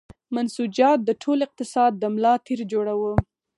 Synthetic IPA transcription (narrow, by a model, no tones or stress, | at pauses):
mansud͡ʒɑt̪̚d̪əʈʰolɪq̚t̪ɪsɑd̪̚ːəmlɑt̪ʰeɾd͡ʒoɽawə